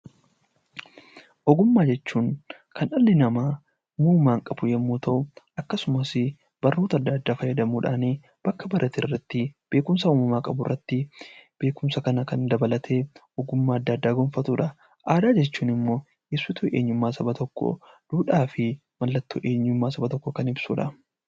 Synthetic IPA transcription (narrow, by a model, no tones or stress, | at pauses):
ʔɔɡʊmːaːd͡ʒɛt͡ʃːuːŋkʰɐnɐlːɪnɐmaː | muːmaːŋkʼɐbʊjɛmːuːt̪ʰɐʔʊʔɐkːɐsʊmɐsɪ | b̥ɐrːuːt̪ɐd̪ːaːd̪ːaːfɐjːɐd̪ɐmuːᶑaːneː | b̥ɐkːɐbɐɾʔɐt̪ɪrːɐt̪ːɪb̥e̞ːkʊmsɐuːmɐmaːkʼɐbʊrːɐt̪ːɪb̥e̞ːkʊmsɐkɐnɐkɐnd̪ɐbɐlɐt̪ʰe̞ː | ɔɡʊmːaːɐd̪ːɐːd̪ːaːɡɔnfɐt̪uːᶑɐ | ʔaːd̪aːd͡ʒɛt͡ʃːuːnɪmːo̞ː | jesːʊt̪uʔḛːɲːʊmːaːsɐbɐt̪ɔkːɔ̰ | d̪̥uːᶑaːfɪ | mɐlːɐt̪ːṵːʔe̞ːɲːʊmːaːsɐbɐt̪ɔkːɔkɐnɪbsuːᶑɐ